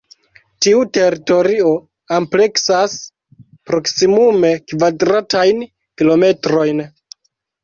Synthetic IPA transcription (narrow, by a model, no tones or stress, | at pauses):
tiute̞ɾito̞ɾio̞ | ample̞ksas | pɾo̞ksimume̞kvadɾatajn | kilo̞me̞tɾo̞jn